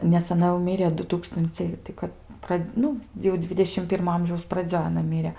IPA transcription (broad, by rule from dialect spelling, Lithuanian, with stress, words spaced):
nʲɛs ɐˈnɐ jɛʊ ˈmʲɪrʲeː ˈdʊ ˈtuːkstʊnʲt͡sʲɛɪ tɐɪ ˈkɐt ˈprɐt͡s ˈnʊ jɛʊ ˈdʲʋʲɪdʲɛʃʲɪm ˈpʲɪrmoː ˈɐmʲʒʲɛʊs prɐˈd͡zʲoːj ɐˈnɐ ˈmʲiːrʲɛ